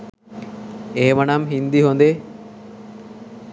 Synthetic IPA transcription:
emanamɦind̪iɦond̪e

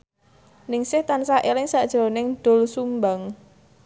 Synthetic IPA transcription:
nɪŋsɪht̪ansaʔelɪŋsaʔd̥ʒ̥ɾonɪŋɖ̪̥o̤lsumbaŋ

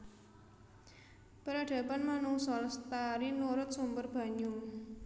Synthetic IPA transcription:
pəɾaɖ̥ä̤panmanuŋsɔlst̪aɾinuɾʊt̪̚sumbərb̥a̤ɲʊŋ

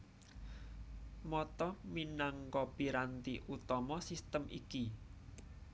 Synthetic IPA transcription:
mɔt̪ɔminaŋkɔpiɾant̪iʔut̪ɔmɔsist̪əmʔiki

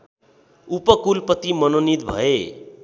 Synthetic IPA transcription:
upʌkulpʌt̪imʌnonit̪bʱʌ̰e

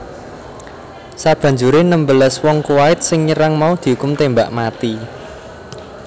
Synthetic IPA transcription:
sab̥ä̤ɲd͡ʒuɾenəmbəlaswɔŋkuwaɪt̪̚sɪŋɲəɾaŋmaud̪̥i̤ɦukʊmt̪embaʔmat̪i

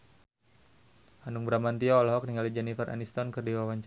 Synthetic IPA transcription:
hanuŋbɾamant̪iɔlaɦɔk̚niŋalid͡ʒɛnifərʔa̰nist̪ɔnkɨrdiwawaɲt͡ʃ

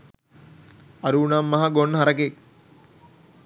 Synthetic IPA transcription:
ɐɾuːɳamːɐɦɐɡonːɦɐɾɐkek̚

